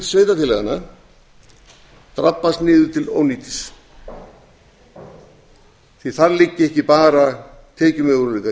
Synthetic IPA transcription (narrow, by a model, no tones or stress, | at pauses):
sveːjt̪at̪ʰɪlɛɣana | t̪ɾapːast̪nɪːðʏ̥t̪ʰɪlo̰wniːt̪ɪ̥s | θiθaðlɪcːɪɛhcɪpaːɾat̪ʰɛːcʏmœɣɾʏliːka